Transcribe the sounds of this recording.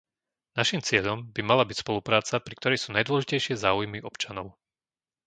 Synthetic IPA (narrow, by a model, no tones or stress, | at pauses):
naʃimt͡sɪɛʎɔmbimalabicspɔlupɾaːt͡sapɾikt̪ɔɾɛjsuːnajd̪ʊɔlɛʒicɛjʃɪɛzaːujmiʔɔpt͡ʃanɔʊ